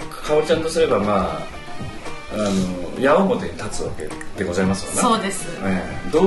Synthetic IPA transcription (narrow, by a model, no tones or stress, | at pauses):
kʰaot͡ɕãnt̪o̞sɨɾe̞bamaː | nojaomo̞t̪e̞ɲit̪at͡sɨo̰ke̞̰t̪ːe̞ɡo̞zaimasɨ̥konaoːd̪esɨed̪oː